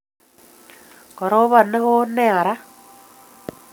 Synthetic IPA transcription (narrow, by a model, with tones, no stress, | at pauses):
kɔ˨ɾo˦βa˨ne˦ɣo˦nɛ˦˨a˨ɾa˦